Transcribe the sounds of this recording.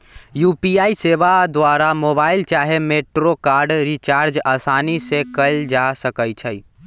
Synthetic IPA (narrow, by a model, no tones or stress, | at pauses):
jupiaiseʋad̪waɾamobailt͡ʃaɦemeʈɾokaɾɖɾit͡ʃaɾd͡ʒasanisekəld͡ʒasəkəjt͡ʃʰəj